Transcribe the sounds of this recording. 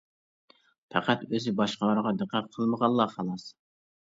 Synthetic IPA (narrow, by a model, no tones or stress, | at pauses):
pʰæqæt̪øzɪbɑʃqəlˠɑɾʁɑd̪əqæt̪̚qʰəlˠməʁɑnˠːɑχɑlˠɑs